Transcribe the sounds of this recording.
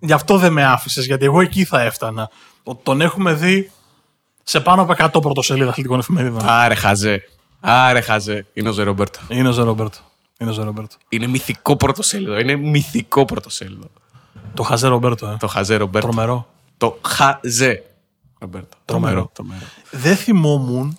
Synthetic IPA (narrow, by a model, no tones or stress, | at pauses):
ʝɐft̪o̞ðe̞me̞ɐfise̞zʝɐt̪ie̞ɣo̞e̞ciθɐe̞ft̪ɐnɐ | ot̪i̥t̪o̞ne̞xume̞ði | se̞pɐnopoe̞kɐt̪o̞p̬ɾot̪oseliðɐθlit̪iko̞nefime̞ɾiðonaɾexɐze | ɐɾexɐzeineozeɾobeɾt̪oineo̞zeɾobeɾt̪o̥ | inezeɾobeɾt̪o̥ine̞miθiko̞pɾot̪o̞seliðoinemiθiko̞pɾot̪oseliðo | t̪o̞xɐzeɾobe̞ɾt̪oet̪oxɐzeɾobeɾt̪ɾomeɾo̞ | t̪oxɐze | ɾobeɾt̪o̥t̪ɾomɾot̪ɾomeɾo | ðeθimo̞mun